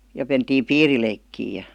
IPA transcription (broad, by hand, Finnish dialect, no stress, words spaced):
jɑ mentiːm piːrileikːiː jɑ